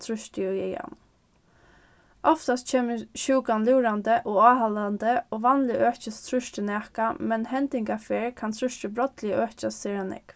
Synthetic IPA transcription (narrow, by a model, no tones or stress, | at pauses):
t̪ʰɾʊʃtəʊɛ̰ja̰n | ɔft̪ast̪t͡ʃʰeːməʃuːkanlɪːɾand̪əʔoːaːhaland̪əoːʋɑːnlɪʔøːt͡ʃəst̪ʰɾʊʃt̪ənæːkamɛnɦɛnt̪ɪŋkafeːɹkʰant̪ʰɾʏʃtəbɾɔt̪lɪəøːt͡ʃast̪ɛːɾanɪ̰k